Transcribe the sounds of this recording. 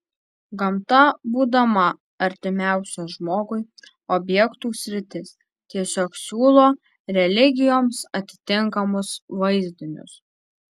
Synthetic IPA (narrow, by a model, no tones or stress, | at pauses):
ɡɐmt̪ɐbuːd̪ɐmɐ | ɐɾʲt̪ʲɪmʲæˑʊsʲoʒmoːɡʊɪ | ɔbʲjɛkt̪uːsʲɾʲɪt̪ʲɪs | t̪ʲiɛsʲoːksʲuːlˠoː | ɾʲɛlʲɪɡʲɪjoːmsɐt̪ʲɪ̥t̪ʲɪŋkɐmʊsʋɐɪzʲd̪ʲɪnʲʊ̰s